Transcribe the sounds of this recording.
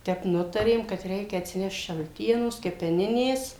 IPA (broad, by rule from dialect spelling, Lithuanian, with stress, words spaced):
ˈtʲɛp ˈnʊtɐrʲeːm kɐt ˈrʲɛɪkʲɛ ɐtʲsʲɪˈnʲɛʃt ʃɐlʲˈtʲiɛnoːs kʲɛpʲɛˈnʲɪnʲeːs